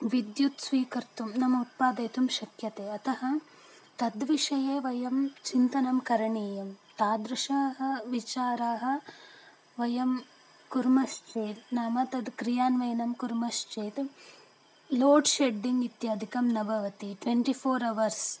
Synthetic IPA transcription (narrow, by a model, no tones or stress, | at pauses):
ʋid̪jut̪sʋiːkɐɾt̪umnɐmɐut̪̚paːd̪ɐjt̪umʃɐkjɐt̪eːɐt̪ɐɦɐ | t̪ɐd̪ʋiʂɐjeːʋɐjɐmt͡ʃint̪ɐnɐmkɐɾɐɳiːjɐmt̪aːd̪ɾɐʂaːɦɐ̆ʋit͡ʃaːɾaːɦɐ̆ | ʋɐjɐm | kuɾmɐst͡ʃeːt̪naːmɐt̪ɐd̪kɾijaːnʋɐjnɐmkuɾmɐst͡ʃeːt̪ | loːɖʃeɖːiŋɡit̪jaːd̪ʱikɐmnɐbʱɐʋɐt̪iʈʋeɳʈipʰoːɾɐʋɐɾs